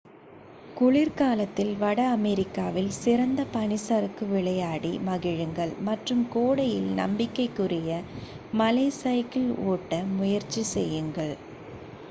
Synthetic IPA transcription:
kʊɭɪɾkaːlɐt̪ːɪlʋɐɽɐːmɛɾɪkːaːʋɪlsɪɾɐnd̪ɐpɐnɪsɐɾɯkːɯʋɪɭɐjaːɽimɐɣɪɻɯŋɡɐɭmɐʈrɯmkoːɽɐjɪlnɐ̰mbɪkːɐɪkːʊrɪjɐ | mɐlɐɪsɐɪkːɪloːʈːɐmʊjɐɾt͡ʃisɛjːɯŋɡɐɭ

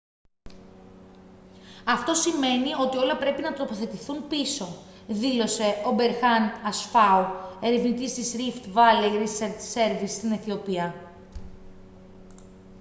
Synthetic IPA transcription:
ɐft̪o̞sime̞nio̞t̪io̞lɐpɾe̞pinɐt̪ɾo̞po̞θe̞t̪iθunpiso̞ | ðilo̞se̞obe̞ɾxɐnɐsfɐue̞ɾevnit̪ist̪isɾift̪vɐleɾiseɾt̪se̞ɾvist̪ineθio̞piɐ

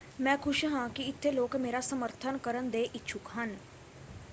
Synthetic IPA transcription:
mɛ̃ːkʰʊʃɦãːkiɪt̪ʰːeloːkmeːɾasəməɾt̪ʰənkəɾənd̪eːʔɪtːʃʰʊkɦən

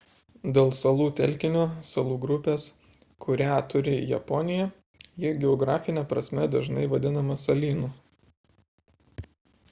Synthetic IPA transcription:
d̪ʲeːlˠsɐlˠuːt̪ʲɛlʲkʲɪnʲoːsɐlˠuːɡɾʊpʲeːs | kʰʊɾʲæːt̪ʊɾʲɪjɛ̰pɔnʲɪjɛ | jɪɡʲɛɔɡɾɑːfʲɪnʲɛpɾɐsʲmʲɛd̪ɐʒnɐɪʋɐd̪ʲɪnɐmɐsɐlʲiːnu

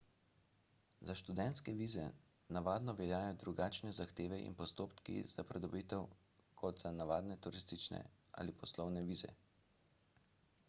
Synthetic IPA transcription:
zaʃt̪ud̪ɛnt̪skɛʋiːzɛ | naʋaːd̪nɔʋɛljaːjɔd̪ɾuɡaːt͡ʃnɛzaxt̪eːʋɛʔḭnpɔst̪oːpkḭz̥apɾɛd̪ɔbiːt̪ɛw | kʰɔd̪zanaʋaːd̪nɛt̪uɾist̪it͡ʃnɛ̰ʔa̰lipʰɔslɔwnɛʋiːzɛ̰

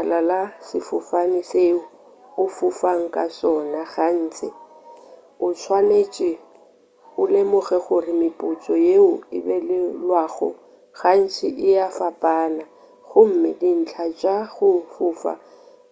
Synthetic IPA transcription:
alalasɪfʊfanɪseʊ | ʊfʊfaŋ̩kʼasɔnaɣan̩ːt͡sʰɪ | ʊt͡ʃʰwanet͡ʃʼɪ | ʊlɪmʊɣɛχʊrɪmɪpʼʊt͡sʼɔjeʊɪbɛlɪlwaːɣɔ̰ | ɣan̩t͡sʰɪʔɪjafapʼaːna | ɣʊm̩mɪdin̩t͡ɬʰat͡ʃʼaɣʊfʊːfa̰

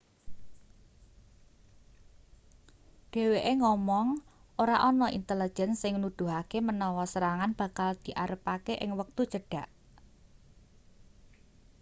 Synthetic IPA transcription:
ɖ̪̥e̤weʔeŋɔmɔŋʔoɾaʔɔnɔʔḭnt̪əlid̥ʒ̥ɛ̤nsɪŋnud̪̥ṳɦakemənɔwɔsəɾaŋanb̥ä̤kald̪̥i̤ʔaɾəpakeʔɪ̰ŋwək̚t̪u̥t͡ʃəɖ̥a̤ʔ

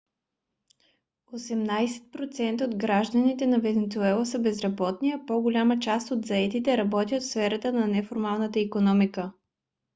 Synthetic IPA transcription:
osɛmnajsɛ̥t̪̚pɾot̪sɛnt̪əod̪ɡɾaʒd̪ənit̪ɛnɐvɛnɛt̪suɛlˠəsəbɛzɾɐbɔt̪niɐpoɡolʲamət͡ʃast̪od̪zɐɛt̪it̪ɛɾɐbɔt̪ʲjət̪tsfɛɾət̪ənɐnɛfoɾmalˠnət̪əikonɔmikə

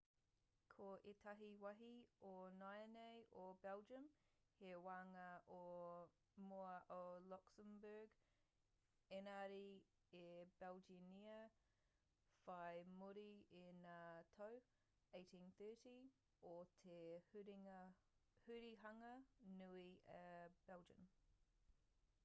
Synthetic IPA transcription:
kʰoʔetʰɐɦiwɐɦionajəneɪʔobɛlˠd͡ʒəmhewaːŋɐʔo | moəʔolɔksəmbəːɡ | ɛnaɾi | eb̥ɛlˠd͡ʒiniə | faɪmʊɾiɪnətʰəw | eɪtʰĩnθɜːˑti | otʰeɾŋə | hʉɾiɦɐŋənuiəb̥ɛlˠd͡ʒə̰̃m

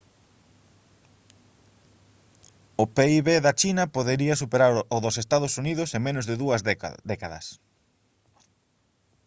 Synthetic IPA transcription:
ʊpeiβeðɐt͡ʃinɐpoðeɾiɐsupeɾaɾʊðʊsest̪aðʊsuniðʊsemẽnʊzðɪðuɐzd̪ɛkaðɐ̰s

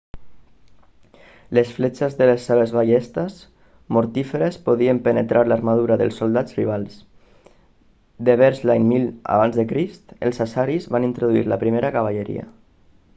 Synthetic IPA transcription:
lesflet͡ʃezðəlesːeβ̞ezβaʎest̪əs | moɾt̪ifeɾespoðiəmpənət̪ɾʔaɾlaɾmað̞uɾaðəlˠsolˠd̪ad͡zriβ̞alˠs | d̪eβ̞ɛɾzlaɲmila̰β̞anzðəkɾist̪ə̰lˠsasaɾizβanint̪ɾoðuḭɾlapɾimeɾakaβ̞aʎeɾḭa̰

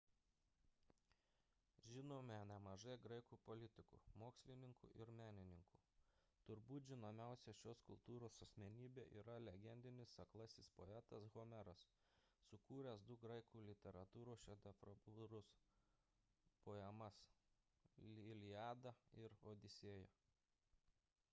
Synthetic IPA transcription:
ʒʲɪnoːmʲɛnʲɛmɐʒɐɪɡɾɐɪkuːpolʲɪt̪ʲɪkṵːmoːksʲlʲɪnʲɪŋkṵʔɪɾmʲæːnʲɪnʲɪŋkuː | t̪ʊɾbuːt̪ʒʲɪnoːmʲæˑʊsʲɛʃʲoːskʊlˠt̪uːɾoːsɐsʲmʲɛnʲiːbʲeːʔḭːɾɐlʲɛɡʲɛnʲd̪ʲɪnʲɪsɐklˠɐsʲɪspoɛt̪ɐsɣomʲɛɾɐs | sʊkuːɾʲɛsd̪ʊɡɾɐɪkuːlʲɪt̪ʲɛɾɐt̪uːɾoːʃʲɛd̪ʲɛfɾobʊɾʊs | poːɛmɐs | lʲɪjɑːd̪ɐɪɾoːd̪ʲɪsʲiːjɛ

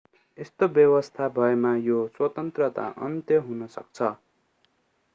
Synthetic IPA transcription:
est̪objʌwʌst̪ʰabʱʌemajoswʌt̪ʌnt̪rʌt̪a̰ʔʌ̰nt̪jʌɦunʌsʌ̰k̚t͡sʰʌ

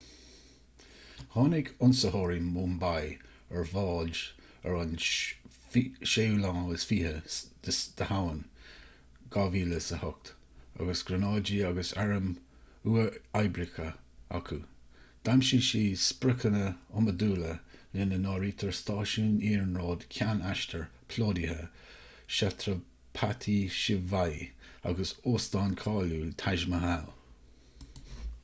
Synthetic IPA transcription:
hɑːnɪɡʊnsəhɔːɹimuːmbaj | ɛɹvɑːd͡ʒ | ɛ̰ɹʊn | ʃewlɑ̃ːəsfiːhəd̥əd̪̥əhawən | ɡ̥aviːləsəhʊk̚t̪ | a̰ɡəsɡ̥ɾənɑːd͡ʒiaɡəsɛɹəm | uːəajbɾɪkʰəa̰kʰu | d̪̥amʃiːʃiːspɾɪkʰənəʊməduːləlɪnənɑːɹiːt̪ʰəɹst̪ɑːʃuːniːɹnɹoːd̪̥kʲʰanaʃtʰəɹpʰloːdihə̰ | ʃat̪ʰɾə | pʰat̪ʰiʃɪvaja̰ɡəsoːsd̪ɑːnkʰɑːlut̪ʰaʒməɦal

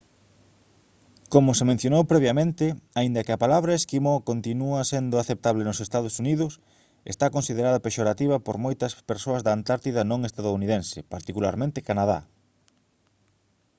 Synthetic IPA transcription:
komʊsemẽn̟θjonowpɾeβjɐmẽnt̪ɪaind̪ɐkɪɐpalaβɾɐeskimokont̪inuɐsend̪ʊaθep̚t̪aβlenʊsest̪að̞ʊsuniðʊs | ḛst̪akonsið̞eɾaðɐpeʃoɾat̪iβɐpoɾmojt̪ɐspeɾsoɐzðɐːnt̪aɾt̪iðɐnõŋest̪aðouniðẽnsepaɾt̪ikulaɾmẽnt̪ɪkanað̞a̰

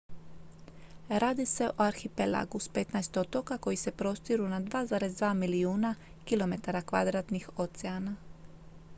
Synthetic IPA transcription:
ɾaːd̪ise̞ʔoaɾxipela̰ɡuspet̪najst̪ot̪o̞kako̞jise̞pɾo̞st̪iɾunad̪ʋaːzaːɾe̞zd̪ʋaːmiliuːna | kilˠo̞me̞t̪aɾakʋa̰d̪ɾaːt̪nixo̞t̪seana

